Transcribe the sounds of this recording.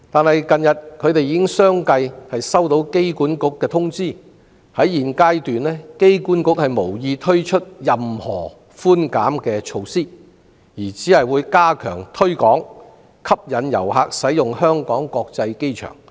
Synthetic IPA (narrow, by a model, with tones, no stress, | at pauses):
t̪aː˨nhɐ˨jkɐ˨njɐ˨t̚kʰɵ˨˧ɥt̪e˨jiː˧˥kɪ˥ŋsœː˥ŋkɐ˧jhɐ˨jsɐ˥wt̪o˨˧wke˥jkuː˨˥nkʊ˨˥kːɛː˧t̪ʰʊ˥ŋt͡siː˥ | hɐ˨˥jːiː˨nkaː˥jt̪yː˨nlɛː˥ke˥jkuː˨˥nkʊ˨˥k̚hɐ˨jmo˨˩wjiː˧t̪ʰɵ˥ɥt͡ʃʰɵ˥t̚jɐ˨mhɔː˨˩ | fuː˥nkaː˨˥mkɛː˧t͡ʃʰo˧wsiː˥ | jiː˨˩t͡siː˨˥hɐ˨jwuː˨˧jkaː˥kʰœ̰ː˨˩ŋt̪ʰɵ˥ɥkɔː˨˥ŋ | kʰɐ˥p̚jɐ˨˧njɐ̰˨˩whaː˧k̚sɐ˨˥jjʊ˨ŋhœː˥ŋkɔː˨˥ŋkɔː˧k̚t͡sɐ˧jke˥jt͡ʃʰœ̰ː˨˩ŋ